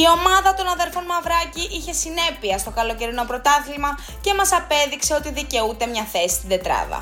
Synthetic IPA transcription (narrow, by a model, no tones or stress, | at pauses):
io̞mɐðɐt̪o̞nɐðe̞ɾfo̞nmɐvɾɐciʔiçe̞sine̞piɐst̪o̞kɐlo̞ce̞ɾino̞pɾo̞t̪ɐθilmɐ | ce̞mɐsɐpe̞ðikse̞ot̪iðice̞ut̪e̞mɲɐθe̞si̥st̪id̪e̞t̪ɾɐ̰ðɐ̰